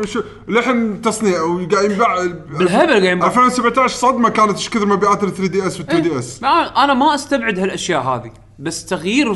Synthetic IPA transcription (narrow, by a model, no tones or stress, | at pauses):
ʃ | lɪħnt̪ɑsˤniːwɡaːjɪmbaʕlɦabalɡaːjɪmbafaːwsabʕt̪aʕʃsˤɑd̪makaːnat̪ʔɪʃkɪθɾmabiʔaːt̪ɪɾθɾiːd̪iːʔɛswɪt̪ːɾid̪iːʔɛsaʔanamaʔast̪abʕɪd̪halʔaʃjaːʔɦa̰ːði | basːt̪aɣjiːɾ